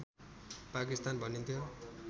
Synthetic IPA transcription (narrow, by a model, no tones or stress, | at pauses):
pakist̪anbʱʌnint̪ʰjo